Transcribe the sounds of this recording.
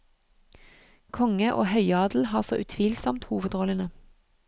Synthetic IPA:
kʰɔŋəʔo̰ːhœʏɑːd̪l̩hɑːʁso̰ːʔʉt̪ʰʋiːlsɔmt̪huːʋəd̪oːlənə

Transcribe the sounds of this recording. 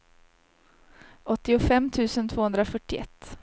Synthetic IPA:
ʔɔt̪ːɪʊfɛmːt̪ʰʉ̟ːsənt̪ʰvoːhɵnd̪ɾafœʈːɪʔɛ̰t̪ː

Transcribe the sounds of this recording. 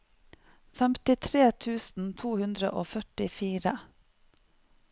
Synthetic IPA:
fɛmt̪ɪt̪ʰɾeːt̪ʰʉːsn̩t̪ʰuːhʉnd̪ɾə̰ʔoːfœʈɪfiːɾə

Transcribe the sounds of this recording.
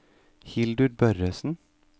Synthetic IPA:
hɪld̪ʉɖ̚bœɾøːsn̩

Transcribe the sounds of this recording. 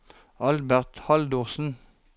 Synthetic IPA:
ɑlbæʁt̪hɑld̪uːʁsn̩

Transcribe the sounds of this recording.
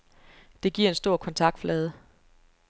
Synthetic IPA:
d̥e̝ɡ̥iɐ̰e̝nsd̥o̝ɐ̰kʰɒ̽nt͡sʰɑ̈ɡ̥d̥flɛːð̞ˠə

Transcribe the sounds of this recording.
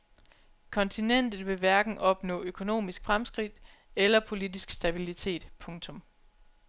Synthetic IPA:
kʰɒ̽nt͡sʰinen̰d̥ð̩ˠʋe̝ʋæɐɡ̥n̩ɒ̽b̥nɔ̰ːøkʰo̝no̝̰ːmisɡ̥fʁamsɡ̥ʁid̥ | elɐpʰo̝lidisɡ̥sd̥æb̥ilit͡sʰe̝̰ːd̥pʰɔ̽ŋt͡sʰɔ̽m

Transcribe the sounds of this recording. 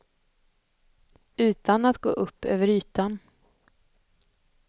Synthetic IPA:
ʉ̟ːt̪ʰanat̪ɡo̰ːʔɵpʰːø̰ːvəɾyːt̪an

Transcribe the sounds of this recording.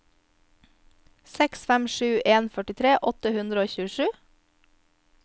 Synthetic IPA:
sɛksfæmʃʉːʔeːnfœʈɪt̪ʰɾeːʔɔt̪əhʉnd̪ɾəoːçʉːəʃʉː

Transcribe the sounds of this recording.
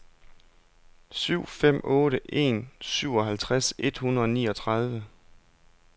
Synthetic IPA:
syʊ̰fem̰ɔ̽ːɾəʔe̝̰ːnsyʊ̰ɒ̽ɦælt͡sʰʁase̝d̥hunɐðˠɒ̽nḭːɒ̽t͡sʰʁɑ̈ð̞ˠʋə

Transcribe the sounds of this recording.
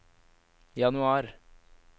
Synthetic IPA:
jɑnʉɑːɾ

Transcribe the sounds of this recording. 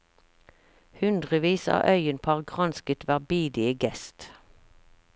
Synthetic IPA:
hʉnd̪ʁəʋiːsɑ̰ːʔœʏənpʰɑʁɡʁɑnskət̪ʋæʁbiːd̪ɪəɡɛst̪

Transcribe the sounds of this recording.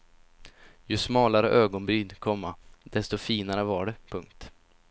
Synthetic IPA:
jɵsmɑːlaɾəʔøːɡɔnbyːd̪kʰɔmːad̪̥ɛst̪ɔfiːnaɾəvaɖɛpʰɵŋk̚t̪

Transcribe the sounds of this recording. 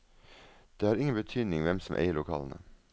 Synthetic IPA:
d̪̥eːhɑːɾɪŋənbət̪ʰyːd̪nɪŋʋɛmsɔm̩ʔḛɪəɭʊkʰɑ̰ːlən̩ə̰

